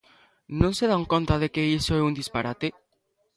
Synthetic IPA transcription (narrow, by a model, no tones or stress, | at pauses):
nõŋseðaŋkont̪aðekeisoɛund̪ispaɾat̪e